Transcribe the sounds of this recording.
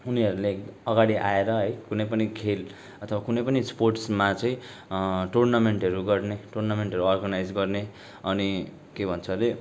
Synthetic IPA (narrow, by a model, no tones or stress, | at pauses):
uniʌɾuleʌɡaɽiʔaeɾʌɦʌjkunʌjp̬ʌnikʰel | ʌt̪ʰʌwakunʌjpʌnisporʈsmat͡sʌ̃ĩ | ʈurnameɳʈʌɾuɡʌrneʈurnameɳʈʌɾuʌrɡʌnajd͡zɡʌrne | ʌni | kebʱʌnt͡sʰʌle